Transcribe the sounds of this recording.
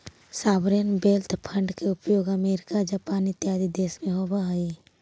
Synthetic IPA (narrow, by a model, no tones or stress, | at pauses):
saːbɾjənbeːlt̪pʰə̃ɳɖkeʊpjoːɡəmeːɾɪkad͡ʒapaːnɪt̪jaːd̪id̪eːsmẽɦoːbaɦai